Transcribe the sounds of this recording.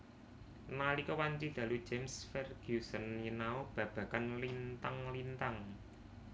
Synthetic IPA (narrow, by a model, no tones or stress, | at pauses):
nalikɔwant͡ʃid̪̥ä̤lu̥d͡ʒemsfɛrɡ̥usənjənaob̥ä̤b̥ä̤kanlint̪aŋlint̪aŋ